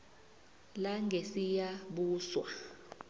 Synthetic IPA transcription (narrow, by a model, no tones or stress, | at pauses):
laŋʱesijaɓuːswa